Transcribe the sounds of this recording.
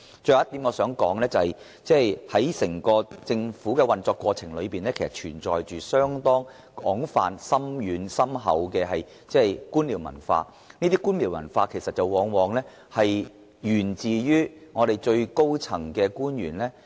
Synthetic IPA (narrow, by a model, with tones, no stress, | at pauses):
t͡ʃɵ˧jɐ˨˦˥t̪iː˨˥mŋɔː˧sœː˨˥ŋkɔː˨˥ŋlɛː˥t͡sɐ˨hɐ˨j | t͡sɛː˥jhɐ˨˥jsɪ˨˩ŋkɔː˧t͡sɪ˧ŋfuː˨˥kɛː˧wɐ˨nt͡sɔː˧kːwɔː˧t͡sʰɪ˨˩ŋlɵ˨˧piː˨nlɛː˥kʰe˨˩sɐ˨˩t͡ʃʰyː˨˩nt͡sɔː˨jt͡ʃyː˨sœː˥ŋt̪ɔː˥ŋ | kɔː˨˥ŋfa̰ː˨˧nsɐ˥mjyː˨˧nsɐ˥mɦɐ̰˨˥wkɛː˧ɦɐ˨j | t͡sɛː˥˩jkuː˥nliː˨˩wmɐ̰˨˩nfa̰ː˧ | niː˥t̪iː˥kuː˥nli˨˩wmɐ̰˨˩nfaː˧kʰe˨˩jsɐ˨t̚t͡sɐ˨wɔː˨˧ŋwɔː˨˧ŋlɛː˥ | hɐ˨j | jyː˨˩nt͡siː˨jyː˥ŋɔː˨˧ɾe˨jt͡ʃɵ˧ɥko˥wt͡sʰɐ˨˩ŋkɛː˧kuː˥nɥyː˨˩nlɛː˥